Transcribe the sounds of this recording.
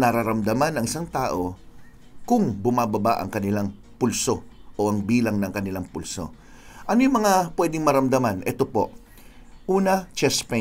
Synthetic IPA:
nɐɾaɾɐmd̪ɐmanɐŋɪsaŋt̪aːʔo̞ | kʊŋbʊmaːbɐbaʔɐ̰ŋkɐnɪlaŋ | pulso̞ʔoʔɐŋbiːlɐŋnɐŋkɐnɪlaŋpulso̞̰ | ʔɐnojʊmɐŋapwɛd̪ɪŋmɐɾɐmd̪ɐmanʔɛ̰t̪o̞po̞ʔ | ʔuːnɐt͡ʃɛspɛ

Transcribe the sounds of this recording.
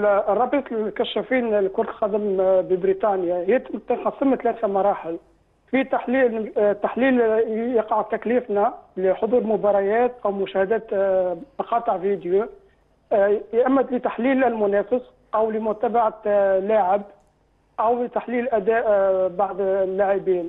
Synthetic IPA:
rˤːɑbiːsˤlkæʃːæfiːnlkʊɾt̪lqɑd̪əmbibɾit̪ˤɑnjahɪjːæt̪t̪nqɑsˤːəmt̪læθamɑɾˤɑːħɪl | fit̪aħlit̪ːaħliːljɑqɑʕt̪ːækliːfnæliħod̪ˤuːɾmʊbɑɾˤɑjæːt̪ʔæwmʊʃæhæd̪æːt̪mɑqɑːt̪ˤəʕvid̪ju | jʔæmːæt̪lɪt̪aħliːllmʊnæːfəsˤ | ʔæwlɪmʊɾt̪æbaʕalːaːʕɪb | ʔæwlɪt̪aħliːllʔæd̪æːʔbaʕd̪lːaʕibiːn

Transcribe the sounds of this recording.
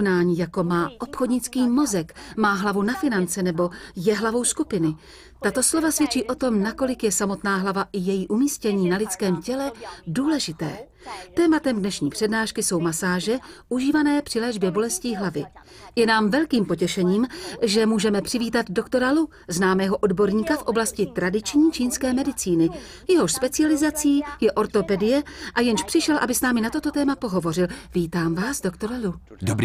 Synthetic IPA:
naːɲiːjako̞maːʔo̞pxodɲɪt͡skiːmo̞zɛkmaːɦlavunafɪnant͡sɛnɛbo̞jɛɦlavo̞wskupɪnɪ | t̪at̪o̞slo̞vasvjɛt͡ʃiːʔo̞t̪o̞mnako̞lɪkjɛsamo̞t̪naːɦlavaʔɪjɛjiːʔumiːscɛɲiːnalɪt͡skɛːmcɛlɛduːlɛʒɪt̪ɛː | t̪ɛːmat̪ɛmdnɛʃɲiːpr̥ɛdnaːʃkɪso̞wmasaːʒɛʔuʒiːvanɛːpr̥ɪlɛːʒbjɛbolɛsciːɦlavɪ | jɛnaːmvɛlkiːmpo̞cɛʃɛɲiːmʒɛmuːʒɛmɛpr̥ɪviːt̪ad̪do̞kt̪o̞ɾalu | znaːmɛːɦo̞ʔo̞dbo̞ɾɲiːkafʔo̞blascɪt̪ɾadɪt͡ʃɲiːt͡ʃiːnskɛːmɛdɪt͡siːnɪ | jɛɦo̞ʃspɛt͡sɪalɪzat͡siːjɛʔo̞ɾt̪o̞pɛdɪjɛʔajɛnʃpr̥ɪʃɛlʔa̰bɪsnaːmɪnat̪o̞t̪o̞t̪ɛːmapo̞ɦo̞vo̞rɪlviːt̪aːmvaːsdo̞kt̪o̞ɾalu | dob

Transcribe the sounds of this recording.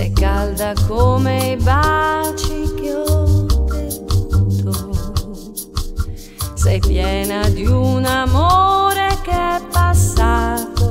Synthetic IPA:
sɛ̰jkald̪akomejbat͡ʃikeɔd̪ebut̪ʰo | sɛjpjɛːnad̪iunamoɾek̟eɛpːasːaːt̪o

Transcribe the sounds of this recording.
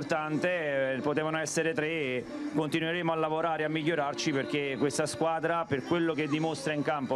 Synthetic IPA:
rt̪ant̪epot̪ɛːvanoɛsːeɾet̪ɾe | kont̪inweɾeːmoalːavoɾaːɾeamːiʎːoɾart͡ʃiperk̟ekːwest̪askwaːd̪ɾaperkwelːok̟ed̪ːimost̪ɾaiŋkampo

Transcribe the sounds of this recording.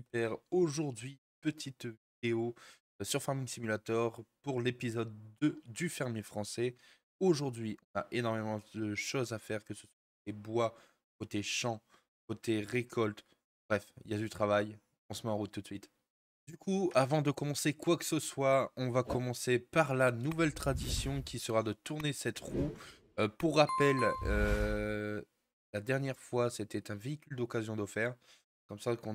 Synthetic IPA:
ypɛʁoʒuʁd̪ɥi | pət̪ʰit̪vid̪eo | syʁfaʁmiŋsimylat̪ɔʁpuʁlepizɔd̪ːəd̪yfɛʁmjefχɑ̃sɛ | oʒuʁd̪ɥiʔɔ̃na̰ʔenɔʁmemɑ̃d̪əʃozafɛʁkəsə̥swaakkot̪ebwa | kot̪eʃɑ̃ | kot̪eʁekʰɔlt̪ | bʁɛfḭljad̪yt̪χavaj | ɔ̃səmɛɑ̃ʁut̪ːut̪sɥit̪ | d̪ykʰuavɑ̃d̪əkɔmɑ̃sekwaksəswaɔ̃vakɔmɑ̃sepaʁlanuvɛlt̪χad̪isjɔ̃kʲisəʁad̪ət̪uʁnesɛt̪ʁu | puʁːapɛlø | lad̪ɛʁnjɛʁfwaset̪ɛt̪ɛ̃veikʲyld̪ɔkazjɔ̃d̪ɔfɛʁ | ɛkɔmsakɔ̃

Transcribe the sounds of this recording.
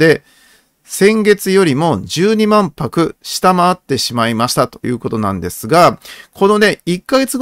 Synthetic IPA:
e̞ | sẽ̞ŋɡe̞t͡sɨjo̞ɾʲimo̞ʑɨːɲ̟imãmpakɯ̟ɕi̥t̪amaːt̪ːe̞ɕimaimaɕi̥t̪at̪o̞̥jɯ̟ːko̞t̪o̞nã̰nd̪e̞sɨɡakʰo̞no̞ne̞ikːaɡe̞t͡sɨɡ

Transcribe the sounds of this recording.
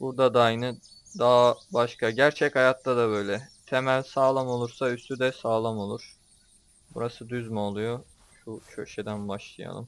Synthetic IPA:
buɾd̪ad̪ajnɯ | d̪aːbaʃkʰaɟæɾt͡ʃʰɛchajat̪ːad̪abø̞jlʲɛt̪ʰe̞mælʲsaːlˠamo̞lˠuɾsayst̪ʰyd̪ɛsaːlˠamo̞lˠuɾ̥ | buɾasɯd̪yzmɛolˠujo̞ | ʃuʃøʃed̪ænbaʃlˠɯja̰lˠɯ̰m

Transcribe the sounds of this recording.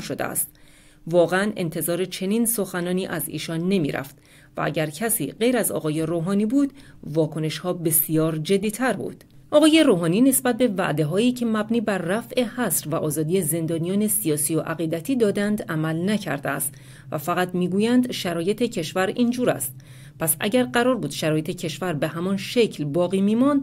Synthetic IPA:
ʃod̪ḛæ̰st̪̚ | vɒːɣeæne̞̰nt̪ʰe̞zɒːɾe̞t͡ʃʰe̞niːnso̞xænɒːniːʔæzḭːʃɒːnːe̞mḭɾʔæ̰ft̪ | væ̰ʔæ̰ɟæɾcʰæsḭːɢe̞jɾæzɒ̰ːɣɒːje̞roːɦɒːniːbuːd̪vɒːkʰo̞ne̞ʃhɒːbe̞sijɒːɾd͡ʒe̞d̪ːiːt̪ʰæɾbṵːd̪̥ | ʔɒːɣɒːje̞ɾoːɦɒːniːne̞sbæt̪̚be̞væ̰ʔd̪e̞ɦɒːiːcʰe̞mæbniːbæɾːæfʔe̞hæsɾvæʔɒːzɒːd̪ijeze̞nd̪ɒːnijɒːne̞sijɒːsijoʔæɣiːd̪æt̪ʰiːd̪ɒːd̪ænd̪æmælnæcʰæ̰ɾd̪eæ̰st̪ | væfæɣæt̪miːɡuːjænd̪ʃæɾɒːje̞t̪ʰecʰe̞ʃvæɾiːnd͡ʒuːɾæ̰st̪̚ | pʰæsʔæ̰ɟæɾɢæɾɒːɾbuːd̪̥ʃæɾɒːje̞t̪ʰe̞cʰe̞ʃvæɾbe̞ɦæmɒnʃe̞cʰlbɒːɣiːmiːmɒnd̪

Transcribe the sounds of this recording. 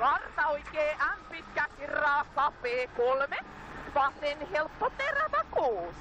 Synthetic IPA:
kɑrt̪ɑoikeːʔæmpit̪kækirːɑːkɑpeːkolme | ʋɑsenhelpːot̪eræmækoː

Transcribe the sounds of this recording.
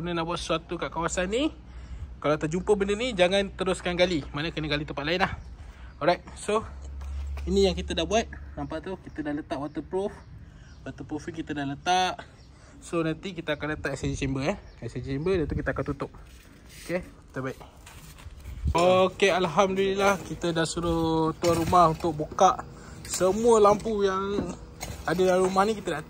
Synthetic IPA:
ənənaʔbuat̪sə̥suat̪ukaʔkawasanːi | kalat̪əd͡ʒumpəbəndənid͡ʒaŋant̪əɾʊskanɡalimanəkənəɡalit̪əmpat̪laɪnlahɔɾajt̪̚so | inijaŋkit̪ədahbuat̪̚nampaʔt̪ukit̪ədahlət̪aʔwat̪əpɾuf | wat̪əpɾufiŋkit̪ədahlət̪aʔ | sonant̪ikit̪əakanlət̪aʔɛsed͡ʒt͡ʃɛmbəɛɛsed͡ʒt͡ʃɛmbədat̪ukit̪əakant̪ut̪ʊp̚ | okekit̪əbaiʔ̪̚ | okealɦamdulilahkit̪ədaʔsuɾot̪uaɾumahunt̪ʊk̚bukaʔ | səmuəlampujaŋ | adədalɾumahnikit̪ədaʔ̪

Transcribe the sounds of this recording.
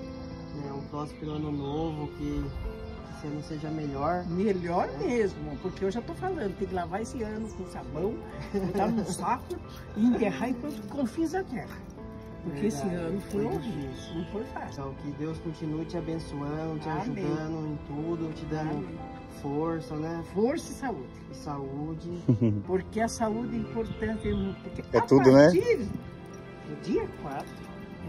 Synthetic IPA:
nɛʊpɾɔsʊ̥peɾɐ̃nʊnovʊkɪ | kesɪɐ̃nʊseʒɐmeʎɔɾmeʎɔɾmezmʊɛpʊɾkeewʒat̪ofalɐ̃d̪ʊt̪ẽj̃kɪlavaesɪɐ̃nʊkõsabɐ̃w̪̃ | ãsakʊ | ɪiẽnt̪ehaẽkõt̪ʊkɪkõfiɐzɐɡɛʁɐ | pʊɾkeesɪɐ̃nʊfojõisnɐ̃w̃fojfasaʊkɪd̪ewskõnt͡ʃinuɐt͡ʃɪabẽsuɐ̃nd̪ʊt͡ʃɪaʒumɐ̃nd̪ʊẽt̪ud̪ʊt͡ʃɪd̪ã | foɾsɐnɛfoɾsɐɪsaud̪ɪ | saud͡ʒɪpoɾkeɐsaud̪ɪĩmpoɾt̪ɐ̃nt̪ɪɛmũpʊɾkeɛt̪ud̪ʊnɛt͡ʃivɪ | ʊd͡ʒiɐkwat̪ʊ

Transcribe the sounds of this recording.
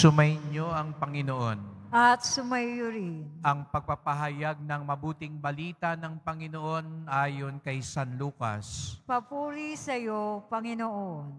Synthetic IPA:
sʊmɐjɲoʔɐŋpɐŋɪnoʔo̞nʔɐt̪sʊmɐjːʊɾɪnʔɐŋpɐɡ̚pɐpɐɦɐjaɡ̚nɐŋmɐbuːt̪ɪŋbɐliːt̪anɐŋpɐŋɪnoʔo̞nʔaːjo̞nkɐjsanluːkɐ̰spɐpuːɾisɐjopɐŋɪnoʔon

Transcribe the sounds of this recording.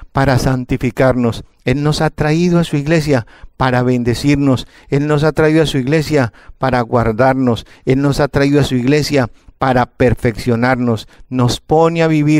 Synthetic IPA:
paɾasant̪ifikaɾno̞s | e̞lno̞sat̪ɾaiðoasuiɣle̞s̬japaɾaβe̞nd̪e̞siɾno̞s | e̞lno̞s̬at̪ɾaiðoasuiɣle̞sjapaɾaɣwaɾðaɾno̞s | e̞lno̞sat̪ɾaiðoasuiɣle̞sjapaɾape̞ɾfe̞ksjo̞naɾno̞sno̞spo̞neaβiβiɾ

